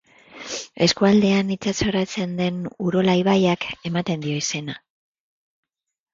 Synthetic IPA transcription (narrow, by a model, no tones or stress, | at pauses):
e̞skuald̪e̞anit͡saso̞ɾat͡se̞nd̪e̞nuɾo̞laiβajake̞mat̪e̞nd̪io̞ise̞na